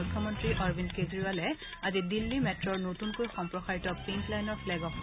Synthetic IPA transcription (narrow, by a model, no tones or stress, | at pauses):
ukʰːjɔmɔntɹiʔɔɹbʱindketɹiwalɛ | azidilːimɛtɹɔɹnotunkojxɔmpɹɔxaɹitɔpinplajnɔɹpʰlɛɡɔp